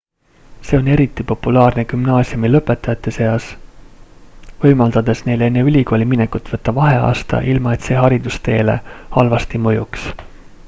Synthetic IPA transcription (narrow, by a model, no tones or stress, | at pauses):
se̞ːo̞ne̞ɾit̪ːˑipo̞pːulɑːrne̞kymnɑːsiumilɤpːˑe̞t̪ːˑɑjɑt̪ːˑe̞seɑs | vɤ̞jmɑld̪̥ɑd̪̥e̞sne̞jle̞nːe̞ylʲiko̞ːlʲiminekut̪ːˑvɤt̪ːɑvɑɦe̞ɑ̰ːst̪ɑ̰ʔilmɑe̞t̪se̞ːɦɑɾid̪̥ust̪e̞ːle̞̰hɑlvɑst̪imɤjuks